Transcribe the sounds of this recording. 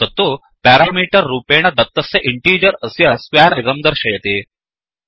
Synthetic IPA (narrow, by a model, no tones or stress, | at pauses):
ət̪ːo | pæɾamiʈəɾːupeɽ̃ad̪ət̪ːəseʔiɳʈiːɾəɾəsjaskaɾiɾəmd̪əɾɕəjet̪e